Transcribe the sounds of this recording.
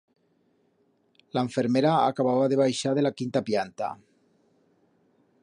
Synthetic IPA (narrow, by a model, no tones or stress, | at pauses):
laeɱfeɾmeɾaa̰kaβaβaðeβ̞ajʃað̞elakint̪apjant̪a̰